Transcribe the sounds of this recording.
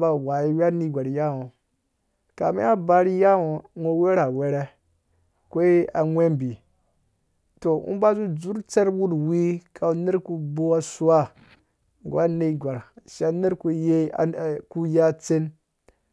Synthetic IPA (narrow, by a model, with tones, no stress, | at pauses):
ba˦wa˨ji˦wa˦ni˦ɡʷa˨ɾja˦wo˨ | ka̰˨mḛ˦a˦ba˦ɾi˦ja˦wo˨ŋo˦we˦ɾa˨we˦ɾe˦ | kʷo˦i˦a˨ŋʷe˦mbi˨ | to˨ṵ˦ba˦zu˦d͡zu˦ɾt͡se˦ɾwu˦dwi˦kʰa˨˦ne˦ɾku˦bo˦a˦su˦wa˦˨ | ɡʷa˦ni˦˨ɡʷa˨ɾʃa˦ne˦ɾko˦je˦˨ku˦ja˦t͡se˦n